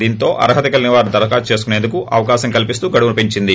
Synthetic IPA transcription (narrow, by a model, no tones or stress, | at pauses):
d̪iːnt̪o̞ːʔɐ̰ɾɐɦɐt̪ɐkɐlɐniʋaːɾud̪ɐɾɐkaːt͡ʃe̞ːs̬u̥kune̞ːnd̪ukuʔɐʋɐkaːʃɐŋkɐlipist̪uːɡɐɽiʋɐupiɲt͡ʃind̪i